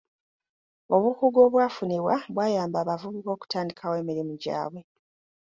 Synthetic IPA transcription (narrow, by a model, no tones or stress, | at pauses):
o̞βukuɡo̞βwaːfuniβwaβwaːjaːmbaːβavuβuko̞ːku̥taːndikʰawe̞ːmiɾimuɟa̰ːβwe̞